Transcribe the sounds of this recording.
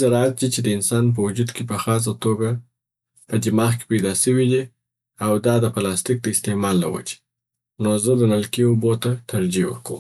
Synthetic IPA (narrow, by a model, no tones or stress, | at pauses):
zaɾɑat̪̚d̪it͡ʃed̪əɪnsɑnp̬əwʊd͡ʒud̪kepəxɑs̬at̪oɡa | pəd͡ʒɪmɑxke̥pajd̪ɑʃəwid̪i | awd̪ɑd̪əplɑst̪ɪk̚d̪əɪst̪emɑlːa̰wa̰d͡ʒe̥ | nozəd̪ənalkiobot̪at̪aɾd͡ʒiwə̰kə̰m